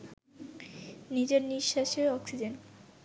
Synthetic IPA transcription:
nid͡ʑeɾniʃːaʃeɔksid͡ʑen

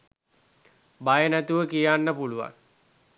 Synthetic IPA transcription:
bajənæt̪uʋəkijanːəpuluʋa̰n

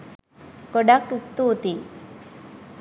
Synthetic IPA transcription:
koɖakist̪uːt̪i

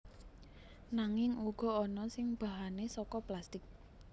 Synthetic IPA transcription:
naŋɪŋuɡ̥ɔ̤ɔnɔsɪŋb̥a̤ɦanesɔkɔplast̪ɪk̚

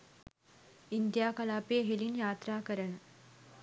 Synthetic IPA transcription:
ind̪jaːkɐlaːpeeɦilinjaːt̪ɾaːkɐɾɐɳə

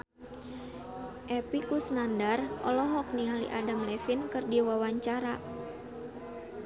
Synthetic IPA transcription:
ʔɛpikusnandarʔɔ̰lɔɦɔk̚nialiʔadamlɛfinkɨrdiwawaɲt͡ʃaɾa

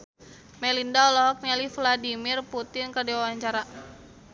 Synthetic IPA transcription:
mɛlindaɔlɔɦɔk̚nɛlifladimirput̪ɪnkərdiwawaɲt͡ʃaɾa

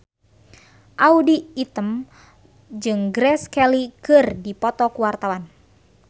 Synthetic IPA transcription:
ʔaudiːt̪əm | d͡ʒɨŋɡɾɛskɛlikɨrdipɔt̪ɔkuwart̪awan

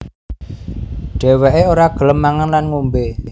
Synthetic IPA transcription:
ɖ̥ɛ̤wɛʔeoɾaɡ̥ə̤ləmːaŋanlanŋumbe

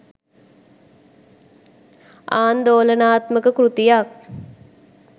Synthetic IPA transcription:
aːnd̪oːlənaːt̪məkəkɾut̪ijak̚

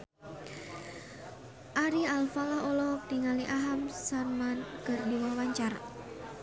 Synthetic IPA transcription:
ʔaɾialfalaɦolɔd̪̥iŋaliʔaɦamsarmanɡ̥ərdiwɔhwaɲt͡ʃar

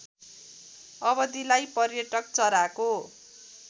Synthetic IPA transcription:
ʌbʌd̪ilajpʌrjʌʈʌk̚t͡sʌɾako

